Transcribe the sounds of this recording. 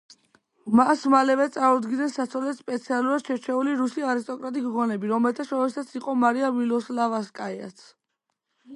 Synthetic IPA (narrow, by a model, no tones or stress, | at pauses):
masmalɛvɛt̪sʼaɾud̪ɡinɛnsat̪sʰɔlɛt̪spʼɛt̪sʰialˠuɾad̪̥ʃɛɾt͡ʃʰɛuliɾusiaɾist̪ʼɔkʼɾat̪ʼiɡʁɔnɛbiɾɔmɛlt̪ʰaʃɔɛsat̪sʰiqʼɔmaɾiavilɔslavaskʼaia̰t̪sʰ